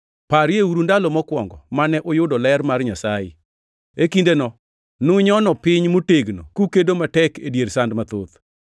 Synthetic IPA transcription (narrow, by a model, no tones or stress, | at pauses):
paɾjeuɾundalɔmɔkwɔŋɡɔmanɛʔojʊdɔlɛɾmarɲasajɪ̰ | ekindenɔ | nʊɲɔnɔpɪɲmoteɡno̰kukedomatɛkedjeɾsandmat̪ot̪